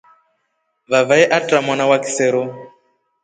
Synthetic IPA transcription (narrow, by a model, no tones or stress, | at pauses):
βavaɛʔatʼamɔnawaki̥sɛɾɔ